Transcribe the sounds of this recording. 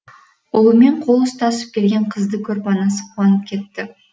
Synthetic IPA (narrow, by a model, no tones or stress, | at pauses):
olˠəme̞ɴqʰo̞lˠəst̪ʰɑsəp̚kʲʰe̞lɡʲe̞ɴqʰəzd̪əkʲʰɵɾpɑnɑsəqʰuwɑnəp̚kʲʰe̞t̪ːɪ